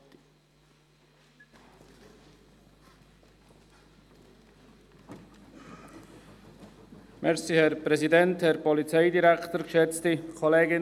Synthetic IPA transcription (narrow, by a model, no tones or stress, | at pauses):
mɛʁsihɛʁpʁ̥ɛzidɛnthɛʁpɔlit͡saɪdiʁɛktəɡʃɛt͡stəkʰɔleːɡɪ